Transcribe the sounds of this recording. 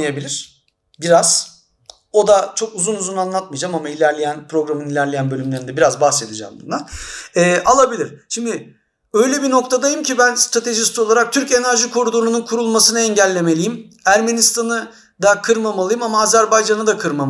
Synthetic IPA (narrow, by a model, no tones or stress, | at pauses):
ebilʲiɾ̥ | biɾaz̥ | o̞d̪at͡ʃʰo̞kuzunuzunanlˠat̪̚mɯjd͡ʒamamailʲæɾlʲejænpɾo̞ɡɾamɯnilʲæɾlʲe̞jænbølʲymlʲe̞ɾind̪ɛbiɾazbaxse̞t̪ʰid͡ʒa̰mb̪ṵnd̪anɛːʔalˠabilʲiɾ̥ʃimd̪ɪ | ø̞jlʲebino̞k̚t̪ʰad̪ajɯmcibænst̪ɾat̪ʰe̞ʒist̪ʰolˠaɾak̚t̪ʰyɾce̞næɾʒikʰoɾud̪unununkʰuɾulˠmasɯnɯɛɲɟælʲːe̞me̞lʲijim | æɾme̞nist̪ʰanɯ | d̪akʰɯɾmamalˠɯjɯmamaːzæɾbajd͡ʒanɯd̪akʰɯɾma